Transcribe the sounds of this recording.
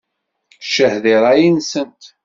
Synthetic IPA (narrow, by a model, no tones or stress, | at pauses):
ʃəhðiɾˤajinsənt̪